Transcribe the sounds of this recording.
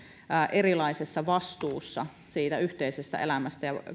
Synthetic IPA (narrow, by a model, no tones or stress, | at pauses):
ʔerilɑisesːɑʋɑst̪uːsːɑ | siːt̪æyht̪eisest̪æ̰ʔḛlæmæst̪æjɑ